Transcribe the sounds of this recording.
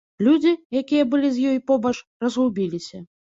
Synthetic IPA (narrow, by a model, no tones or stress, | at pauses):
lʲud͡zʲijakʲijɐbɨlʲizʲjɔjpɔbɐt͡ʂrɐzɦubʲilʲisʲɐ